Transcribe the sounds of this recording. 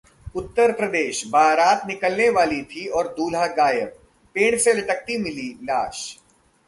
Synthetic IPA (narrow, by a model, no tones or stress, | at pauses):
ʊt̪ːəɾpɾɐd̪eːʃbʱaːɾaːt̪nɪkəlneʋaːlit̪ʰiɔːɾd̪uːlɦaɡaːjəb̚ | pẽːɽ̃selɐʈək̚t̪imɪlilaːʃ